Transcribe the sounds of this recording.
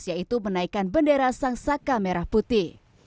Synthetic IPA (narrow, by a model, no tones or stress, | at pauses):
siait̪umənaikanbəndeɾasaŋsakameɾahput̪i